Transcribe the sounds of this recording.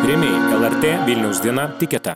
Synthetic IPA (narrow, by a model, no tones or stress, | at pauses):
ɾʲɛmʲeɛlˠɛɾʲt̪ʲeːʋʲilʲnʲɛʊsd̪ʲiɛnat̪ʲɪkʲɛt̪ɐ